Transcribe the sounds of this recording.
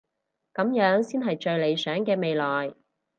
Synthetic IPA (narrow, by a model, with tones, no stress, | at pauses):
kɐ˨˥mjœː˨˥ŋsiː˥nɦɐ˨jt͡ʃɵ˧ɥle˨˧jsœː˨˥ŋkɛː˧me˨˧jlɔː˨j